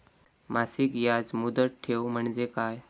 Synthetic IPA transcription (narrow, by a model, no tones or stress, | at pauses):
masikjad͡zmud̪əʈ̚ʈʰewm̤əɳd͡zekaj